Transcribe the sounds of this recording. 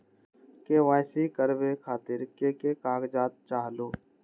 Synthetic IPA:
keːʋaːjsikəɾbekʰaːt̪ɪɾkeːkekaːɡd͡ʒaːt̪̚t͡ʃaːɦloː

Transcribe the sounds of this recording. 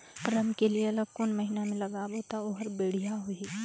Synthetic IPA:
kɾəmkelieɐləɡ̚kʊnmɐɦinamẽlɐɡaboːt̪aoɦɾbeːɽ̤ijaɦoi

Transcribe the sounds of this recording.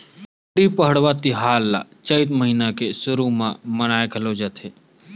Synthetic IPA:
ʈipəɦəɽʋat̪iɦaːlːa̰t͡ʃəjt̪məɦiːnakesʊɾumãmənaːekʰɐlod͡ʒət̪ʰe

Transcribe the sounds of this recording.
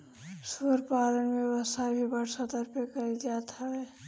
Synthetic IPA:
səɾpaːlənmẽbəsabʱibəɽsat̪əɾpekəɾid̪ijat̪ʰaɛ

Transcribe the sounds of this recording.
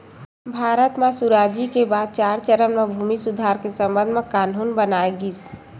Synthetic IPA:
bʱaːɾət̪mẽsuɾaːd͡ʒikebaːd̪̚t͡ʃaːɾt͡ʃəɾəmmẽbʱuːmisʊd̪ʱaːɾkesə̃mbə̃nd̪ʱmẽkaːnuːnbənaːeɡis

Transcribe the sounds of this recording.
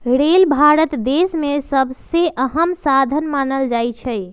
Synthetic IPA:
ɾelbʱaɾət̪d̪esmesəbʱseʔəɦəmsad̪ʱənmanəld͡ʒajt͡ʃʰɛj

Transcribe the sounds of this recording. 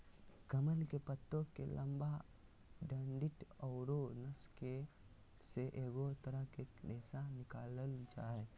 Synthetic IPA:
kɐməlkepət̪ːõkḛlɐmba | ɖɐ̃ɳɖɪʈɔːɾonɐske | seʔeːɡot̪ɐɾəɦkekdeːsanɪkaːləld͡ʒaːɦe

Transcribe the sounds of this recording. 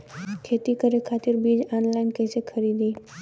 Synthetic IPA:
kʰeːt̪ikəɾekʰaːt̪ɪɾbiːd͡ʒɔnlaɪnkə̃ɪsekʰəɾiːd̪iː

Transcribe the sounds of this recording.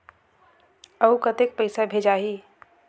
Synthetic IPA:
əukət̪ek̚pəɪsabʱed͡ʒaːɦiː

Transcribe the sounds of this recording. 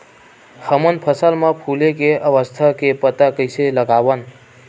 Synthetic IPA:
həmənpʰəsəlməpʰulekeʔəʋəst̪ʰakepət̪akəjseləɡaʋən

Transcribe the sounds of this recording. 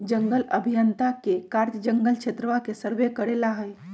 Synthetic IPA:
d͡ʒəŋɡələbʱijənt̪akekaɾt̪əd͡ʒəŋɡəlt͡ʃʰet̪ɾəʋakesəɾʋekəɾelaɦəj

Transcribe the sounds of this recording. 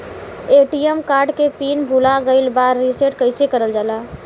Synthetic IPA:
eʈijəmkaːɾɖkepiːnbʱulaɡəɪlbaɾːiseʈkəɪsekəɾəld͡ʒaːla

